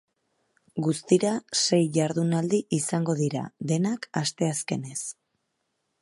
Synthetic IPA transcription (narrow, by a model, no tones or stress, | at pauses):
ɡust̪iɾase̞jʝaɾðunald̪iʔisaŋɡo̞ðiɾa̰ðe̞nakast̪e̞aske̞ne̞s